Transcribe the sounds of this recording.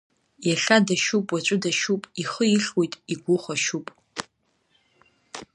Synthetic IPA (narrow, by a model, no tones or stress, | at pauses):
jɛɬadɐʃupʼwɐt͡ʃʷʼʊdɐʃuːpʼiχəjɪɬwejtʼiɡʷʊχʷɐʃuːpʼ